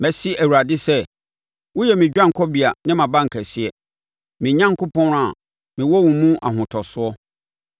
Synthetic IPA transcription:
mæ˨si˦æ˨wu˨ɾa˨dɪ˦sɛ˦ | wʊ˦jɛ˨mɪ̃˨d͡ʑᶣã˦ŋ̩˨kʰɔ˦bi˨a˨nɪ̃˦mã˨bã˦ŋ̩˨kʰæ˨sɪ˦ɛ˨ | mɪ̃˨ɲã˦ŋkʊ˦pʰɔ̃˦n˦a˨ | mɪ̃˨wɔ˦wũ˨mũ˦ʔa̰˨ɦʊ̃˨tʰɔ˨sʊ˦ɔ˦

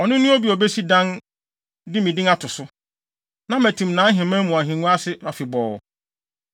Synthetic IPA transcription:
ɔ˨nʊ̃˦nʊ̃˦o˦bi˨ɔ˨be˦si˦dã˦n | dɪ˦mĩ˨dɪ̃˦ŋa˦tʰʊ˨sʊ˦ | nã˦mæ˨tʰĩ˨mnã˨˦ɦɪ̃˨mã˦mũ˨a˨ɦĩ˨nũ˦a˦sɪ˦a˨fɪ˨bɔː˨

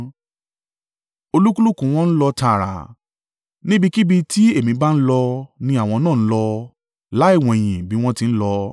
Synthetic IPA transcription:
o˧lu˦ku˦lu˦kũ˧˦˧w̃ɔ̃˦n̩˦lɔ˧ta˧˨ɾa̰˨ | nĩ˦bi˧ki˦bi˧ti˦e˦˨mĩ˧ba˦n̩˦lɔ˧nĩ˧a˦˨w̃ɔ̃˧nãː˦˨n̩˦lɔ˧ | la˨˦i˦˨w̃ɔ̃˨e˨j̃ĩ˨bi˨˦w̃ɔ̃˦ti˧n̩˦lɔ˧

